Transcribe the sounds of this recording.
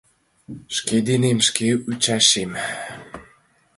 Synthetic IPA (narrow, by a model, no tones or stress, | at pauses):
ʃked̪enemʃkeut͡ɕɑʃem